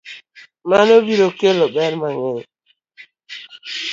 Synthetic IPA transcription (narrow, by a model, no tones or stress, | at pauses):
manobiɾokelɔɓɛɾmaŋel